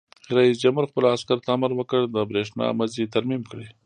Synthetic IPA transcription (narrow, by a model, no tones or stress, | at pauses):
ɾaisd͡ʒamuɾxpəlaskaɾt̪aːmaɾwəkəɽd̪əbɾeʂnɑ̰mazit̪aɾmimkɽe